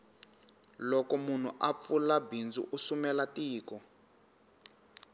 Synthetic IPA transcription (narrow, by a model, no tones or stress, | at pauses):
lɔkɔmun̤uʔap̪fulabind͡zṵʔusumɛlatiːkɔ